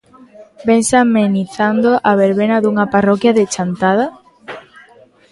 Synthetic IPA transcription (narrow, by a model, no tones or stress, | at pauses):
bensameniθand̪oʔaβeɾβenaðuŋaparɔkjaðet͡ʃant̪að̞a